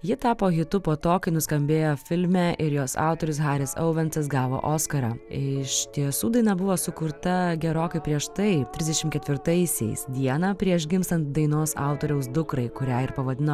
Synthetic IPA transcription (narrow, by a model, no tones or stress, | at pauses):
jɪt̪ɑːpoːɣʲɪt̪ʊpoːt̪oːkɐɪnʊskɐmʲbʲeːjoːfʲɪlʲmʲɛːʔɪɾjoːsɑ̰ˑʊt̪oɔːɾʲʊsɣɑːɾʲɪsɐ̰ʊʋʲɛnt̪ɐs̬ɡɑːʋo̰ːʔoːskɐɾɑːɪɪʃt̪ʲiɛsuːd̪ɐɪnɐbʊʋoːsʊkʊɾt̪ɐɡʲɛɾoːkɐɪpʲɾʲiɛʃt̪ɐɪt̪ʲɾʲɪzd̪ʲɛʃʲɪmkʲɛt̪ʲʋʲɪɾt̪ɐɪsʲɛ̰ɪsd̪ʲiɛnɑːpʲɾʲiɛʃɡʲɪmst̪ɐnt̪̚d̪ɐɪnoːsɑ̰ˑʊt̪oːɾʲɛʊs̬d̪ʊkɾɐɪkʊɾʲæːɪɾpɐʋɐd̪ʲɪno